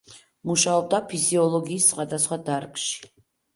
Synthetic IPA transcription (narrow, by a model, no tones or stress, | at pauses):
muʃaɔb̚d̪apʰiziɔlˠɔɡiːssχwad̪asχwad̪aɾkʼʃi̥